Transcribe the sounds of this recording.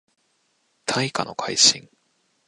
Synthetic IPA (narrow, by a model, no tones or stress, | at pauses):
t̪ʰaikano̞kʰaiɕĩŋ